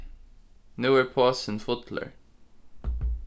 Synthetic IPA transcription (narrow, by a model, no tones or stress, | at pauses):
noɛɹpʰɑːsə̃nfʊt̪ʰlə̰ɹ